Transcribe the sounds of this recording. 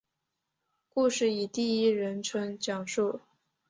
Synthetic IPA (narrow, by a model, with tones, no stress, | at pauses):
ku˥˧ʂɻ̩˥˩i˨˩t̪i˥˩i˥ɻə˧˥nʈ͡ʂʰwə˧˥ŋt͡ɕjɑ˨˩ŋʂu˥˩